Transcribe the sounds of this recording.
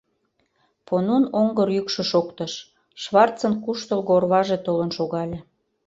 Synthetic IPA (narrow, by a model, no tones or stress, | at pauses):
ponunoŋɡərjykʃeʃokt̪ə̆ʃ | ʃβɑrt͡sə̆nkuʃt̪əlɣoorβɑʒet̪olənʃoɣɑlʲe